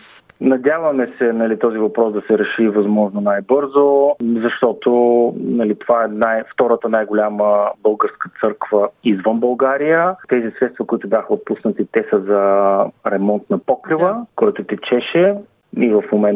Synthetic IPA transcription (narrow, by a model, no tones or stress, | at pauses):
nɐd̪ʲjavəmɛsɛnɐlit̪ɔzivɐpɾɔsd̪ɐsɛɾɛʃivɐzmɔʒnonajbɤɾzozɐʃt̪ɔt̪onɐlit̪ovaɛnajft̪ɔɾət̪ənajɡolʲaməbɤlˠɡəɾskət̪sɤɾkvəizvənbɐlˠɡaɾijət̪ɛzisɾɛt̪st̪vɐkʊit̪ʊbʲjaxəot̪pusnət̪it̪ɛsəzɐɾɛmɔnt̪nɐpɔkɾivəkɔjt̪ʊt̪ɛt͡ʃɛʃɛ | ivɐfmomɛn